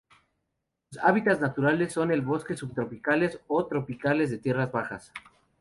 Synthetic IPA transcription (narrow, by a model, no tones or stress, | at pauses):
usa̰βit̪aznat̪uɾale̞sːo̞ne̞lβo̞ske̞suβt̪ɾo̞pikale̞sot̪ɾo̞pikale̞zðe̞t̪je̞razβaxas